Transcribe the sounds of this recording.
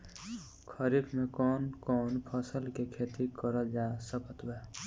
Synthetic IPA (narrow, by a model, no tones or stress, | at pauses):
kʰəɾibmẽkɔːnkɔːnpʰəsəlkekʰeːt̪ikəɾəd͡ʒasəpʰət̪wɛ